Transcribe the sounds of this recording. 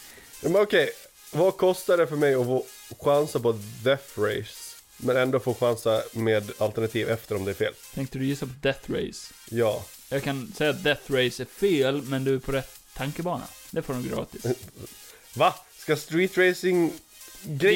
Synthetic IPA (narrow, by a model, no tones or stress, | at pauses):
jɑːmɛnɔkʰɛj | vakʰɔst̪aɖɛfœɾmɛjɔfoː | ɧansapɔd̪ɛθɾɛɪs | mɛnɛnd̪oːfoːɧansameːd̪alt̪əɳat̪ʰiːvɛft̪əɾɔmd̪ɛæɾfḛːlt̪ʰɛŋkt̪əd̪ɵjʉːsːapɔd̪ɛθɾḛɪs | jɑː | jɑːɡkʰansɛjːat̪̚d̪ɛθɾeɪsæɾfeːlmɛnd̪ɵæɾpʰɔɾɛt̪ʰːaŋkəbɑːɳa̰d̪ɛfoːɾnuːɡɾɑ̰ːt̪ɪs | vaskast̪ɾiːt̪ɾeɪsɪŋ | ɡɾ